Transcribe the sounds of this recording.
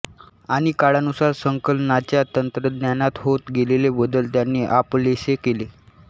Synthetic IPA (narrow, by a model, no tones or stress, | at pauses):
aɽ̃ikaɭanusaɾsəŋkəlnat͡ɕjat̪ənt̪ɾəd̪njanat̪ɦot̪ɡelelebəd̪əlt̪janːiːʔaplesekele